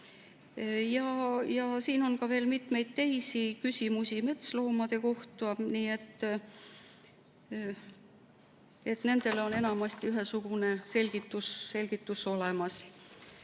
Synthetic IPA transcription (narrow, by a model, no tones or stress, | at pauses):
jɑjɑsiːno̞nkɑve̞ːlmit̪me̞jd̪̥̚t̪e̞jsikysʲimusʲime̞t̪slo̞ːmɑd̪̥e̞ko̞ht̪uɑniːe̞t̪ː | e̞t̪ne̞nd̪̥e̞leo̞ne̞nɑmɑst̪iyɦesuɡ̥une̞se̞lʲɡ̥it̪ːˑusːe̞lʲɡ̥it̪ːˑuso̞lemɑs